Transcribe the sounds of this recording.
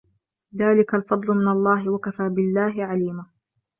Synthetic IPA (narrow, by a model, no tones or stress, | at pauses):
ðaːlɪkalfɑd̪ˤlʊmɪnalˤːɑːɦɪwakafaːbɪlːaːɦɪʕaliːma